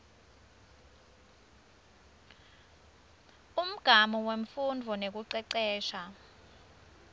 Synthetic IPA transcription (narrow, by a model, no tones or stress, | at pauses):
um̩ɡ̥ʱamɔweɱfundʱɔnek̬uǀɛǀɛːʃa